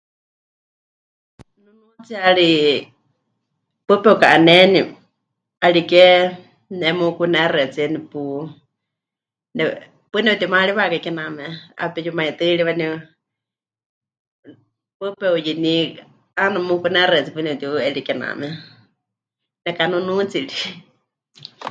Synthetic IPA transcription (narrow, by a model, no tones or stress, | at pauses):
nunut͡siaɺi | pɨpɛukaʔanɛni | aɺikɛ | nɛmukunɛrɛt͡siɛnipu | nɛ | pɨnɛut̪iumaɺiβakakɛnamɛa̰pɛjumait̪ɨɺiwani | pɨpɛujini | anamukunɛrɛt͡sipɨnɛut̪iɛɺikɛna̰mɛ | nɛkanunũt͡siɺi